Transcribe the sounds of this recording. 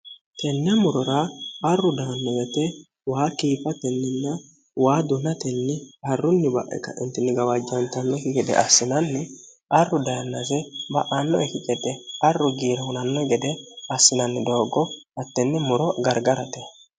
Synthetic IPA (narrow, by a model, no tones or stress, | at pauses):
t̪ɛnːɛmʊɾɔɾɐɐrːʊd̪anːɔɡɛt̪ɛ | waːkiːfɐt̪ɛnːɛnːɐ | waːd̪ʊnɐt̪ɛnːɪhɐrːʊnːɪbɐ̰ʔɛ̰kɐ̰ʔɪnt̪ɛnːɪɡɐwɐd͡ʒːɐnt̪ɐnːɔkɪɡɛd̪ɛ̰ʔɐ̰sːɪnɐnːɪ | ɐrːʊd̪ɐjɐnːɐzɛbɐ̰ʔɐnːɔɛkɪɡɛd̪ɛɐrːʊɡiːɾɛhʊnɐnːɔɡɛd̪ɛɐsːɪnɐnːɪd̪o̞ːɡɔɐt̪ːɛnːɪmʊɾɔɡɐɾɡɐɾɐt̪ɛ